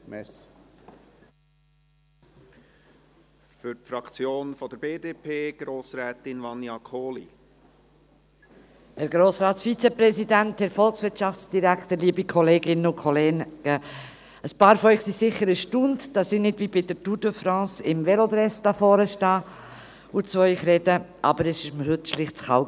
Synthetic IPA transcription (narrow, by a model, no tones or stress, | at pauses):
mɛ | fʏɾtfɾɑkt͡sjoːnfɔd̥̪əɾb̥eːdeːpʰeːɡ̥ɾoːsɾɛːtɪnvɑnjɑkʰoːlḭ | hɛɾɡɾoːsɾɑːtsfit͡sɛpɾɛsidænthɛɾfɔlˠksʋɪɾtʃɑft͡sd̥iɾækt̪əɾliːəbikʰɔleːɡɪnʊkʰɔleːnkə | əspɑːɾfɔœʏχsisɪχːəɾəʃtʊndd̥ɑsɪnɪdvibɪd̥ətudofɾɑ̃ːsɪmvɛlod̪ɾɛstɑfɔːɾəʃtɑː | ʊt͡svɔɪχɾɛdəʔɑbəɾɛsɪʃməhʏtʃlɪχtt͡sχɑʊ